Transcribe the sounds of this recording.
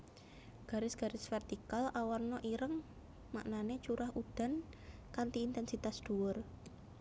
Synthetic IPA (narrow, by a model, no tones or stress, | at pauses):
ɡ̥a̤ɾɪsɡ̥a̤ɾɪsfɛrt̪ikalʔawɔrnɔʔiɾəŋ | maʔnanet͡ʃuɾahud̪̥a̤nkant̪iːnt̪ɛnsit̪asd̪̥ṳwʊr